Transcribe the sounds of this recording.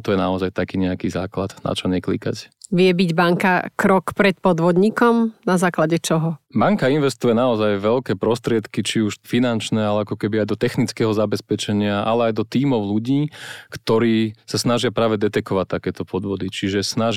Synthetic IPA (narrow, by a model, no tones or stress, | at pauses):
t̪ɔjɛnaɔzajt̪akiːɲɛakizaːklad̪na̰t͡ʃɔɲɛklḭka̰cʋɪɛbiɟbaŋkakɾɔkpɾɛt̪̚pɔd̪ʋɔd̪ɲikɔmnazaːklaɟɛt͡ʃɔɦɔbaŋkainʋɛst̪ujɛnaɔzajʋɛʎkɛːpɾɔst̪ɾɪɛt̪kit͡ʃiuʃfinant͡ʃnɛalɛakɔkɛbiajd̪ɔt̪ɛxnit͡skɛɦɔzabɛspɛt͡ʃɛɲɪaʔa̰lɛajd̪ɔt̪iːmɔʊluɟiːkt̪ɔɾiːsasnaʒɪapɾaːʋɛd̪ɛt̪ɛkɔʋat̪ːakɛːt̪ɔpɔd̪ʋɔd̪it͡ʃiʒɛsnaʒ